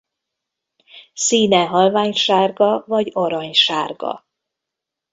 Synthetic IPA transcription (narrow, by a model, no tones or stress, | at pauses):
siːnɛɦɒlvaːɲʃaːrɡɒvɒɟoɾɒɲʃaːrɡɒ̰